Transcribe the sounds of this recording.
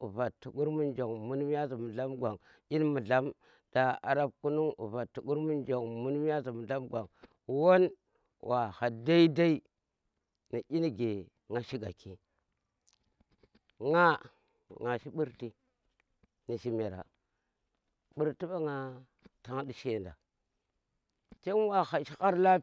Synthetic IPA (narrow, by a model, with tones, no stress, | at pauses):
u˨va˨tːu˨ɡu˦ɾmu˦nd͡ʒo˨ŋmu˦n˦mi˦ja˦za˨mu˨ɮa˦mɡʷa˨ŋ | i˦n˦mu˨ɮa˦m | d̥a˨a̰˨ɾa˦b̚ku˦nu˦ŋṵ˨va˨tːu˨ɡu˦ɾmu˦nd͡ʒo˨ŋmu˦n˦mi˦a˦za˨mu˨ɮa˦mɡʷa˨ŋ | wo˦n | wʔa˨ha˨da˦i˦da˦i˦ | ni˨ʔi˦n˦ɡe˨ | ŋa˨ʃi˦ɡa̰˨ki˦ | ŋa˦ | ŋa˨ʃi˦ɓu˦ɾti˦ | ni˨ʃi˦me˨ɾa̰˨ | ɓu˦ɾti˦ɓa˦ŋa˦ | ta˦ŋdi˨ʃe˦˨nda̰˨ | t͡ʃe˦n˦wa˨xa˨ʃi˦xa˦ɾla˦